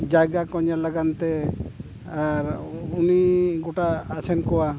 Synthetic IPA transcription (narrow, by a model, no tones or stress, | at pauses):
d͡ʒaɡakɔɲalaɡant̪ɛ | aɾuniɡɔʈaːsɛnkɔwa